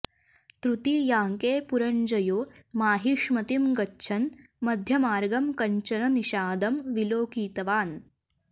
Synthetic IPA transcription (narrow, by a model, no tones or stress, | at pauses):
t̪ɾut̪ijaːŋkeːpuɾɐɲd͡ʒɐjoːmaːɦiʂmɐt̪imɡɐtːʃʰɐn | mɐd̪ʱjɐmaːɾɡɐmkɐɲt͡ʃɐnɐniʃaːd̪ɐmʋiloːkiːt̪ɐʋaːn